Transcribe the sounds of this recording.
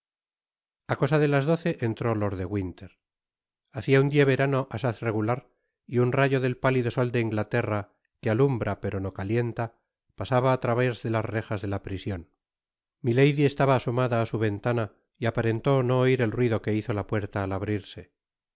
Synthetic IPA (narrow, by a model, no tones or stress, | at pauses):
ako̞saðe̞lazðo̞θe̞ʔent̪ɾo̞lo̞ɾðe̞ɣwint̪e̞ɾ | aθiaund̪ieβe̞ɾano̞ʔasaθre̞ɣulaɾ | iunraʝo̞ðe̞lpaliðo̞so̞ld̪e̞iŋɡlat̪e̞ra | kealumbɾape̞ɾo̞no̞kalje̞nt̪a | pasaβaːt̪ɾaβezðe̞lazre̞xazðe̞lapɾisjo̞n | mile̞jðie̞st̪aβaːso̞maðaːsuβe̞nt̪ana | iapaɾe̞nt̪o̞no̞ːiɾe̞lrwiðo̞ke̞iθo̞lapwe̞ɾt̪aːlaβ̞ɾiɾse̞